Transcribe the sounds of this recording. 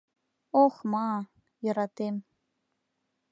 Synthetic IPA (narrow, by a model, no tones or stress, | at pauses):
oχmɑ | jəɾɑt̪em